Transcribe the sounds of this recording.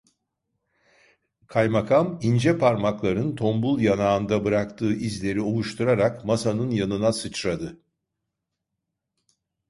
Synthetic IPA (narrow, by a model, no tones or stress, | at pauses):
kʰajmakʰamind͡ʒɛpʰaɾmaklˠaɾɯnt̪ʰo̞mbulˠjanaːɯnd̪abɯɾak̚t̪ʰɯːʔizlʲe̞ɾio̞lˠuʃt̪ʰuɾaɾakmasanɯnjanɯnasɯt͡ʃɾad̪ɯ